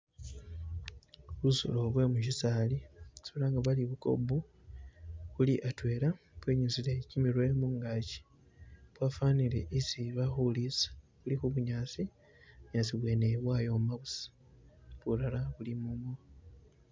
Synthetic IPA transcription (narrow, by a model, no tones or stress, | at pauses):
βuso̰lo̞βwe̞mucisaːlisoβlaːŋɡaβaliβuko̞̰bu | βuliʔatwe̞ːɾaβwe̞ːɲuzilecimilwe̞ːmuŋɡaːci̥ | βwaːfaːnile̞ʔisiβaxulisḁβulixuβuɲaːsi | uɲaːsiβwe̞neβwaːjo̞maβusḁ | βulalaβulimumo